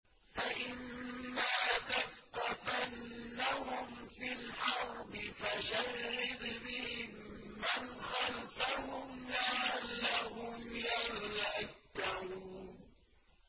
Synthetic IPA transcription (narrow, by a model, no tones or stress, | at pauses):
faʔɪnːaːt̪afqɑtanːahʊmfilħɑɾˤbɪfaʃarːɪd̪bɪhɪmː | anxalfahʊmnaʕalːaɦʊmjaɾlat̪ːauːn